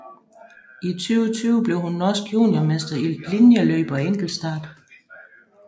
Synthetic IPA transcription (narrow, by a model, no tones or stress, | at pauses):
ʔit͡sʰyːʊt͡sʰyːʊəb̥le̝ʊhunːɒsɡ̥jṵːnjɒmesd̥ɐil̥linjəløːb̥ɐeŋ̰ɡ̥l̩sd̥ɑ̈ːd̥